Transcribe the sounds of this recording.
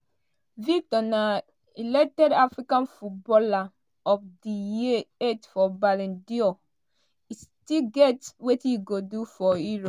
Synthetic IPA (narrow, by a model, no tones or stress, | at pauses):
vitɔna | ilɛk̚tɛdafɹikãnfut̚bɔla | ɔfdijietfɔbalɛ̃ndio | istiɡɛtwetiɡodufɔiɹɔ̃